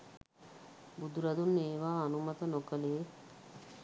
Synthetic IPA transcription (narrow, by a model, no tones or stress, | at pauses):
bud̪uɾɐd̪unːeːʋaːnumɐt̪ənokəleː